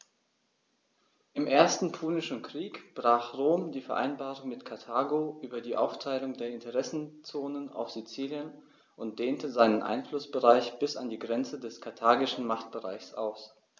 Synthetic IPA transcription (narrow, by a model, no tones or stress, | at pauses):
ʔɪmʔeːɐstn̩pʰuːnɪʃn̩kʁ̥iːkb̥ʁaːχʁoːmdiːfɛɐʔa̰ɪnbaːʁʊŋmɪtkʰaɐtʰaːɡoʔyːbɐdiːʔaʊftʰaɪlʊŋdeːɐɪntʰəʁɛsn̩t͡soːnəna̰ʊfz̥it͡siːljən | ʔʊnt̚d̥eːntəzaɪnənʔa̰ɪnflʊsb̥əʁaɪçb̥ɪsa̰ndiːɡʁɛnt͡sədɛskʰaɐtʰaːɡɪʃn̩maχt̚b̥əʁa̰ɪçsʔa̰ʊs